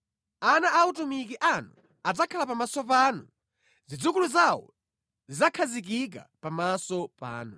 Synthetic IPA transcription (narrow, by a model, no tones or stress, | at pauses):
anaʔːutumik̬iʔanu | ad͡zakʰalapamasɔp̬aːnu | zid͡zukuluzawɔ̰ | zizakʰazik̬ik̬a̰pamasɔpa̰ːnu